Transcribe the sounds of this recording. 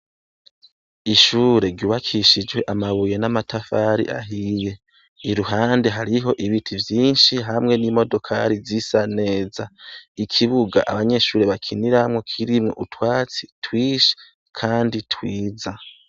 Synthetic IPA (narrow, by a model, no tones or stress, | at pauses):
iʃuːɾe̞ɾɟuːβakʰiʃid͡ʒwe̞ʔamaβuje̞namatʰafaɾḭʔa̰ɦije̞ | iɾuɦaːnde̞ɦaɾiɦo̞ʔiβitʰivjiːnʃiɦamŋe̞nimo̞do̞kʰa̰ɾizisane̞ːzaikʰiβuɡa̰ʔaβaɲe̞ʃuːɾeβakʰiniɾamŋo̞kʰiɾimŋo̞̰ʔutwaːt͡si̥twiːʃe̥ | kʰaːnditwiːza